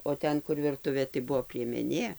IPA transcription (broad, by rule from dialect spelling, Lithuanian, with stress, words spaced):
oː ˈtʲɛn kʊr ʋʲɪrˈtʊʋʲeː tɐɪ ˈbʊʋoː pʲrʲiɛmʲɛˈnʲeː